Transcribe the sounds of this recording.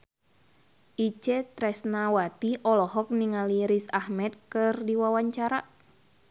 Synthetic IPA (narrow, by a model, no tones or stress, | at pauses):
ʔit͡ʃɛt̪ɾɛsnawat̪iɔlɔɦɔk̚niŋaliɾisahmɛt̪̚kɨrdiwawaɲt͡ʃaɾa